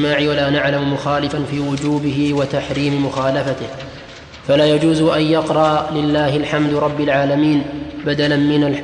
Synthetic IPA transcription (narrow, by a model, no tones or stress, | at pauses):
maːʕɪwalaːnaʕlammʊxaːlɪfanfiːwʊd͡ʒuːbɪɦɪwat̪aħɾiːmɪmʊxaːlafat̪ɪh | falaːjad͡ʒuːzʔanjɑqɾˤɑlɪlːaːhɪlħamd̪ɾˤɑbːɪlʕaːlamiːnbad̪alanmɪnal